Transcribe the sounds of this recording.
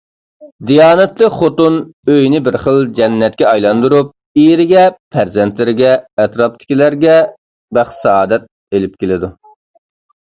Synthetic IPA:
d̪ijɑːnɛt̪ləχot̪unøjnɪbɪɾχəlˠd͡ʒɛnːɛt̪̚kʲɛɑjlˠɑnd̪uɾup̚ | iɾɪɡʲɛpʰæɾzɛnt̪lɪɾɪɡʲɛːt̪ɾɑp̚t̪ʰɪ̥kʲilæɾɡʲɛ | bæχsɑɑːd̪ɛt̪̚ | elɪp̚kʲelɪd̪u

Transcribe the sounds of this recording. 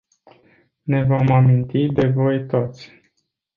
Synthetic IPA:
ne̞vo̞mamint̪id̪e̞vojt̪o̞t̪sʲ

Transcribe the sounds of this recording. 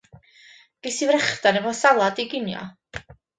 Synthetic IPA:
ɡ̥ɪsivɾɛχdanɛvɔsalˠadiɡɪnjɔ̰

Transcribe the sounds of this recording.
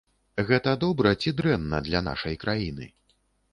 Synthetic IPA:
ɣɛt̪ɐd̪ɔbɾɐt͡sʲid̪ɾɛnːɐd̪lʲana̰ʂɐjkɾʔajinɨ̰

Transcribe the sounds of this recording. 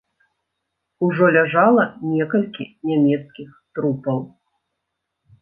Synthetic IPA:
uʐɔlʲaʐalˠɐnʲɛkɐlʲkʲinʲamʲɛt̪skʲixt̪ɾupɐw

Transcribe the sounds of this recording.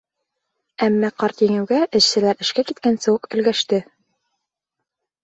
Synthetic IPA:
æmːæqɑɾt̪jɘ̆ŋɘ̆wɡæʔɘ̆ʃsɘ̆læɾɘ̆ʃkækit̪kænsɘwɤqɘ̆lɡæʃt̪ɘ

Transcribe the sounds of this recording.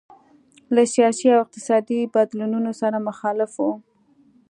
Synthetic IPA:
lasjɑsiawɪq̚t̪ɪ̥sɑd̪ibad̪lununosaɾamʊxɑlɪfwo

